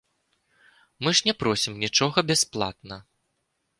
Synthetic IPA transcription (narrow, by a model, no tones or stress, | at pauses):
mɨʐnʲɛpɾɔsʲimnʲit͡ʂɔɣɐbʲɛsplˠa̰t̪nɐ